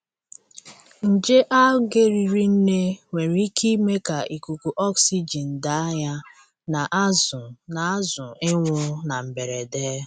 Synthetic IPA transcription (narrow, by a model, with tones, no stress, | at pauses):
n̩˨d͡ʒe˦ʔa˦ɡe˦ɾi˨ɾi˦n̩˦ne˦ŋʷe˨ɾi˦ki˦me˦ka˨ʔi˨ku˨ku˨ʔɔ˦ksi˦d͡ʒi˨n̩˨da˨a˦ja˦ | na˨ʔa˦zʊ˨na˨a˦zʊ˨ɪ˦ŋʷʊ˦na˨m̩˨be˨ɾe˨deː˦